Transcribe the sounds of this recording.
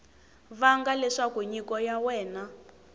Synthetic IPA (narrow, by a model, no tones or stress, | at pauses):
βaŋɡalɛʂakuɲikɔjawɛːna